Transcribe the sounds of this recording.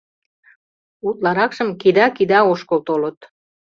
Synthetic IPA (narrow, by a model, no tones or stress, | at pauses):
ut̪̚lɑɾɑkʃəmkid̪ɑkid̪ɑoʃkolt̪olət̪